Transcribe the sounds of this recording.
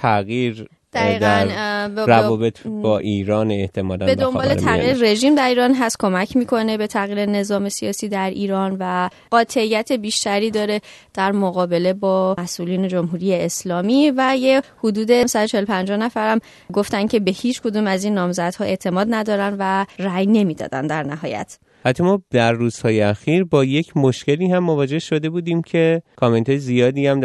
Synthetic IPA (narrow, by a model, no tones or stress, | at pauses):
t̪ʰæɣiːɾ | d̪æiːɣd̪ænbɾævɔːbet̪ʰbɒːʔiːɾɒːnet̪ʰemɒːlæ̰be̞d̪o̞mbɒːlet̪ʰæɣiɾre̞ʒiːmd̪æɾiːɾɒnɦæst̪kʰo̞mæcʰmiːkʰo̞ne̞be̞t̪ʰæɣiːɾe̞ne̞zɒːme̞sijɒːsiːd̪æɾʔiːɾɒːnvæ | ɢɒːt̪ʰeijːæt̪ʰe̞biːʃt̪æɾiːd̪ɒːɾe̞ | d̪̥æɾmoɣɒːbe̞le̞bɒːmæsʔuliːne̞d͡ʒo̞mɦuːɾijeːslɒːmiːvæjehud̪uːd̪e̞msæd̪ot͡ʃʰe̞helopʰænd͡ʒɒːhnæfæɾæm | ɡo̞ft̪æncʰe̞be̞hiːt͡ʃʰkʰo̞d̪uːmæzinːɒːmzæd̪̥hɒːe̞ʔt̪ʰe̞mɒːd̪næd̪ɒːɾænd̪væræjne̞miːd̪ɒ̰ːd̪æ̰nd̪æɾnæɦɒːjæ̰t̪ʰ | hæt̪ʰːɒmɒːd̪æɾːuːz̥hɒːjeæxiːɾbɒːjecʰmoʃce̞liːhæmːovɒːd͡ʒe̞hʃo̞d̪e̞buːd̪iːmcʰe̞kʰoment̪ɒːjezijɒːd̪iːæm